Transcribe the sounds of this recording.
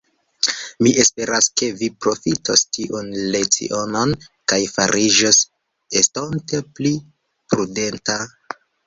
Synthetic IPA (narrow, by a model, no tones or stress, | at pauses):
miʔe̞spe̞ɾaske̞vipɾo̞fitostiʔunlet͡sḭʔo̞nonkajfa̰ɾʔid͡ʒos | estontepli | pɾude̞nta